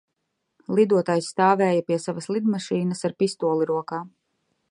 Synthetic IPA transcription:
lˠid̪uɔt̪aːjsːt̪aːvɛːjapiɛsavɐslˠid̪maʃiːnɐsaɾpist̪uɔlˠiɾuɔkaː

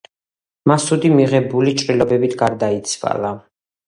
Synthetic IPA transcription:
masud̪imiʁɛbulit͡ʃʼɾilˠɔbɛbit̪ʰɡaɾd̪ait̪sʰva̰lˠa

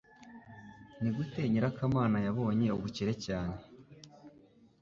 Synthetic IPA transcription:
niɡute̞ːɲiɾakamaːnajaβo̞ːɲe̞oβuciɾe̞caːne̞

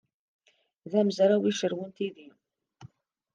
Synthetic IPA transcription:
ðæməzɾˤawiʃəɾwənt̪iði

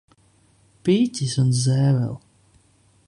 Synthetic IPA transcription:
piːtʲisunzɛːvɛ̰lˠ

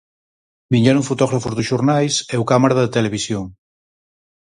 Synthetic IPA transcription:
biɲɛnuŋfut̪ɔɣɾafuzðuʃuɾnajseukamaɾaðet̪eleβ̞isjoŋ

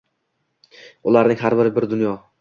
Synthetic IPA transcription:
ʊlˠaɾnɪŋɦaɾbɪɾɪbɪɾd̪ʊnjɒ

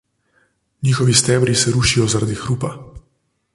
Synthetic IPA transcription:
niːxɔʋist̪ɛːbɾisɛɾuʃijɔzaɾad̪ixɾuːpa

